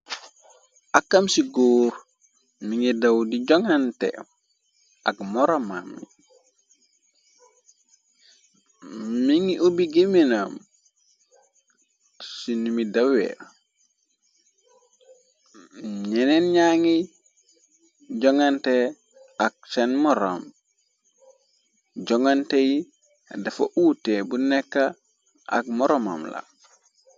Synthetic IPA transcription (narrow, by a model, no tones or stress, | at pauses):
ʔakːamsiɡoːɾ | miŋidawdiɟoŋantḛ | akmoɾama̰mːḭ | miŋiʔobiɡiminam | sinumidawḛ | ɲenenɲaŋi | ɟoŋante | ak̚senmoɾo̰m | ɟoŋanteji | dafo̰ʔutebunekːa | a̰k̚moɾoma̰mla̰